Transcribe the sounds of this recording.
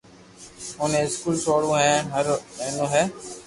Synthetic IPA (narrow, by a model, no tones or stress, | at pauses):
ɦoːnẽːɪskuːlsoːɽõːɦɛ̃ːɦəɾməɦnõːɦɛː